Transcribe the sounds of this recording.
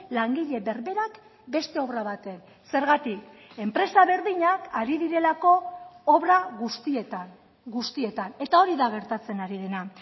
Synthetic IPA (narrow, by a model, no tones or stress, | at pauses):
laŋɡiʎe̞βe̞ɾβe̞ɾak | be̞st̪e̞o̞βɾaβat̪e̞n | se̞ɾɣat̪ike̞mpɾe̞saβe̞ɾðiɲakaɾiðiɾe̞lako̞ːβɾaɣust̪iet̪a | ɡust̪ie̞t̪ane̞t̪ao̞ɾiðaɣ̞e̞ɾt̪at͡se̞naɾiðe̞na